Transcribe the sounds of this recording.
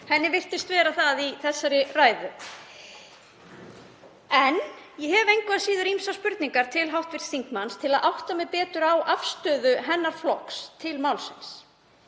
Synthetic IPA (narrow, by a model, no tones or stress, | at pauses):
hɛnːɪvɪr̥t̪ɪst̪vɛːɾaθaðiθɛsːaɾɪraːjðʏ | ɛnjɛɦɛvejŋkvɪasiːðʏɾimsaspʏɾt̪niŋkaɾ̥t̪ʰɪlɦawht̪vɪɾ̥sθiŋkmanst̪ʰɪlaðʔawht̪amɛðpɛːt̪ʏɾawʔafst̪œːðʏɦɛnːaɾ̥flɔkst̪ʰɪlmawlsɪns